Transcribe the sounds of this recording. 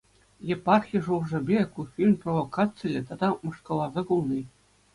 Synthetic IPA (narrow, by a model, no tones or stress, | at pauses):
jepɑrxʲijʐulʐɤ̆bʲekufʲilʲmproʋokɑt̪t͡sɨlʲɘ̆t̪ɑd̪ɑmɤ̆ʂkɤ̆lˠɑzɑkulˠni